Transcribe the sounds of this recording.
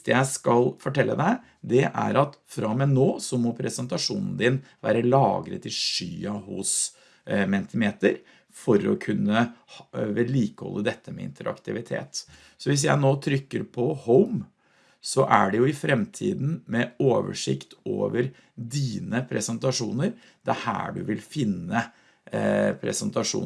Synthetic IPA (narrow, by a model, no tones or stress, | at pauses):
t̪jæɪskɑlfɔʈɛlːəd̪æɪ | d̪ɛʔæ̰ɾɑt̪fɾɑmɛnoːsɔmɔpʰɾɛsənt̪ɑʂuːnn̩d̪ɪnʋæ̰ːɾəlɑːɡɾə̰t̪ʰɪlʂyːɑhʊs | mɛnt̪ʰɪmeːt̪əɾ | fɔɾɔ̰kʰʉnːəhʋɛliːkə̥hɔ̰lːəd̪ɛt̪ːəmɛɪ̰nt̪ʰəɾʔɑ̰kt̪ʰɪʋɪt̪ʰḛːt̪ | sɔʋɪs̬jæɪnoːt̪ʰɾʏkːəɾpʰɔhəʊm | sɔʔæɖɛjʊɪfɾɛmt̪ʰḭːd̪n̩mɛoːʋə̰ʂɪ̰kt̪o̰ːʋəɾ | d̪iːnəpʰɾɛsənt̪ɑʂuːnəɾ | d̪̥ɛæhæ̰ːɖʉ̰ʋɪlfɪnːə | pʰɾɛ̰sənt̪ɑʂṵː